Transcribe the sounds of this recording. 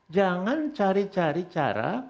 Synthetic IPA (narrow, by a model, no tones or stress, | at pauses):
d͡ʒaŋant͡ʃaɾit͡ʃaɾit͡ʃa̰ɾa̰